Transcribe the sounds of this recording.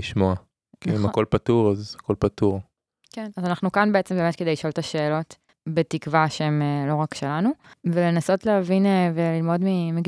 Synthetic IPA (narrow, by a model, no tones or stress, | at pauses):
iʃmoa | kimako̞lpatuʁazakolpatuʁ | kenazanaχnukanbe̞et͡sembemetkedejliʃoolt̪aʃeːlo̞t | betikvaʃeemelo̞ʁakʃelanuvele̞naso̞tleɦavinvelilmo̞dmimeɡ